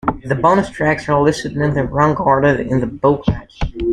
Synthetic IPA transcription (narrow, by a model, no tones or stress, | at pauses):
ðɨbɑnəstʰɹ̥æksə˞lɪsɨdnɨ̃nðɨɹɑ̃ŋɡɑɹɾɪɾɪ̰̃nðəboʊkʰæk